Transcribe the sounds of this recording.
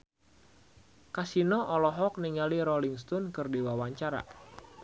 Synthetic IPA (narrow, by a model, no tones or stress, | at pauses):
kasinɔʔɔlɔɦɔk̚niŋaliɾɔliŋst̪ɔnkɨrdiwawaɲt͡ʃaɾa̰